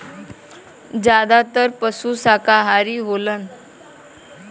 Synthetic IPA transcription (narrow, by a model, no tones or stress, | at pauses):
d͡ʑad̪at̪əɾpəsuːsakaɦaɾiːɦolən